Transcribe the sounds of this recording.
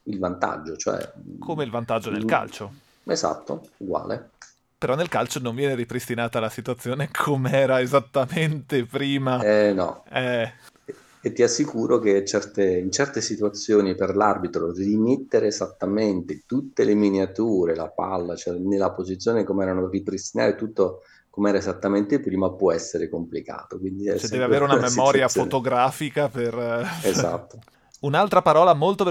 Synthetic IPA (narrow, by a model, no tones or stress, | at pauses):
ilvant̪a̰d͡ʒːot͡ʃo̰ɛ̰kʰomeilvant̪ad͡ʒːod̪elka̰lt͡ʃo | eza̰t̪ːo̰uɡwa̰ːlḛ | peɾɔnːelkalt͡ʃonoɱvjɛːneɾipɾist̪inaːt̪alasit̪uat̪sːjoːnekʰomeɛːɾaezat̪ːament̪epɾiːmanɔ̰ɛ | et̪ːiasːikuːɾoket͡ʃɛrt̪eint͡ʃɛrt̪esit̪uat̪sːjoːniperlarbit̪ɾorimit̪ːeɾeːzat̪ːament̪et̪ut̪ːeleminiat̪uːɾela̰pa̰lːat͡ʃoɛnelːapozit̪sːjoːnekomɛːɾanoripɾist̪ina̰ːɾet̪ut̪ːo | komɛːɾaezat̪ːament̪epɾimapːwɔɛsːeɾekomplika̰ːt̪okwind̪iɛsdːveaveːɾeunamemɔːɾjafot̪oɡɾaːfikapereza̰t̪ːo | unalt̪ɾapaɾɔːlamolt̪od